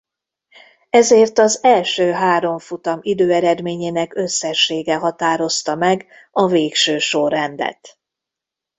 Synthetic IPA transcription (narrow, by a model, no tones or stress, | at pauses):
ɛzeːrt̪ɒzɛlʃøːɦaːɾo̞ɱfut̪ɒmid̪øːɛɾɛd̪meːɲeːnɛkø̞sːɛʃːeːɡɛɦɒt̪aːɾo̞st̪ɒmɛɡ | ɒveːkʃøːʃorːɛnd̪ɛ̰t̪